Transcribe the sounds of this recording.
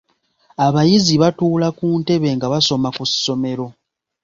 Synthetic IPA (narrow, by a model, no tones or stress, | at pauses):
aβajiziβatuːlakuːnte̞βe̞ŋɡaβaso̞makusi̥so̞me̞ɾo̞